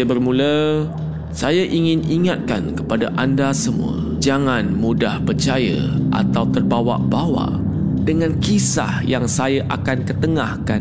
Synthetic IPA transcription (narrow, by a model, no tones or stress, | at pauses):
bərmũlə | sajaʔiŋɪ̃niŋat̪̚ka̰nkəpadaʔandasəmṵə̰ | d͡ʒaŋãnmũdahpərt͡ʃajə̰ʔa̰t̪awt̪ərbawa̰ʔbawa̰ʔ | dəŋãnkisa̰hjaŋsajaʔakankət̪əŋahkan